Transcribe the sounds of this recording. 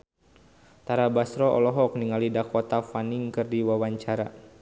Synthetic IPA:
t̪aɾabasɾɔʔɔ̰lɔɦɔkniŋalidakɔt̪afaniŋkɨrdiwawaɲt͡ʃaɾa

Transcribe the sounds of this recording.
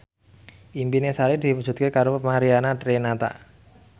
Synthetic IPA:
impinesaɾid̪̥i̤pu̥ʒ̥ṳt̪̚kekaɾomaɾianatɾenat̪a̰

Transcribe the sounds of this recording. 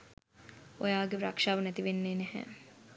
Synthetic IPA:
o̰jaːɡeɾakʂaːʋənɛt̪iʋenːeːnɛɦɛ̰

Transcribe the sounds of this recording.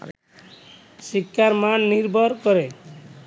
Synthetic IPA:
sikːaɾmanːiɾbʱɔɾkɔɾe

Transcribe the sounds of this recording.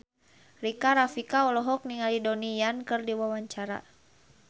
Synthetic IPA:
rikaɾafikaɔlɔɦɔk̚niŋalidɔnijankɨrdiwawaɲt͡ʃaɾa̰

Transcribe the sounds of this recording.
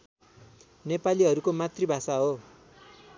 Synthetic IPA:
nepaliɦʌɾukomat̪ribʱasaɦo

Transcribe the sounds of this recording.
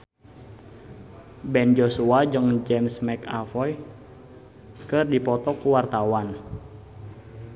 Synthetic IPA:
bɛnd͡ʒosuad͡ʒɨŋd͡ʒɛmsmɛka̰fɔj | kɨrdipɔt̪ɔkuwart̪awan

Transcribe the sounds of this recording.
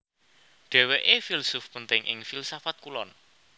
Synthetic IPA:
ɖ̪̥ɛ̤weʔefilsʊfpənt̪ɪŋʔɪ̰ŋfilsafat̪̚kulɔn

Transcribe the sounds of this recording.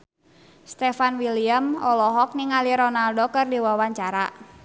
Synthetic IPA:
st̪ɛfanwiliamɔlɔɦɔk̚niŋaliɾɔnaldɔkərdiwawaɲt͡ʃaɾa

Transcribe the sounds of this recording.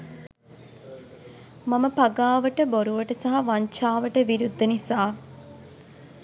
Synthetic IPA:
mɐməpɐɡaːʋəʈəboɾuʋəʈəsaɦɐʋɐɲt͡ʃaːʋəʈəʋiɾud̪ːənisaː

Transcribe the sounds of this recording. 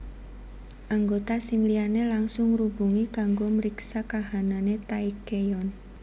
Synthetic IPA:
ʔaŋɡot̪asɪŋlianelaŋsʊŋrubuŋikaŋɡoməɾiksakaɦananet̪aikejɔn

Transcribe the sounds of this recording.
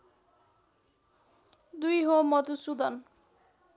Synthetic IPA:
d̪ujɦomɔt̪usud̪ʌn

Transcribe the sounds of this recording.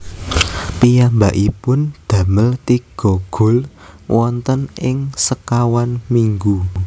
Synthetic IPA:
pijambaʔipʊnd̪̥ä̤məlt̪iɡ̥ɔ̤ɡ̥ʊ̤l | wʔɔnt̪ənʔɪŋsəkawanmiŋɡu

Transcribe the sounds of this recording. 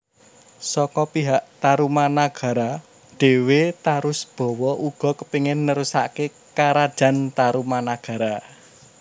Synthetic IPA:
sɔkɔpiɦaʔt̪aɾumanaɡ̥a̤ɾa | ɖ̥e̤wet̪aɾʊsb̥ɔ̤wɔʔuɡ̥ɔ̤kəpiŋɪnːəɾusa̰ke | kaɾad̥ʒ̥a̤nt̪aɾumanaɡ̥a̤ɾa

